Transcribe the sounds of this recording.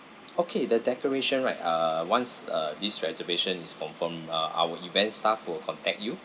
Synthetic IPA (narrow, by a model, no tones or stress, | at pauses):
okʰedədɛkəɹeʃə̃nɹaɪtʌwãnsʌdisɹɛzəveʃə̃niskɔ̃nfɔ̃mʌa̰wəivɛ̃ntstafwilkʰɔ̃ntɛk̚t̚ju